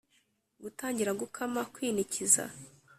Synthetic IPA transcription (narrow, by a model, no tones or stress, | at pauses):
ɡutaːɲɟiɾaɡukʰamakwiːniciza̰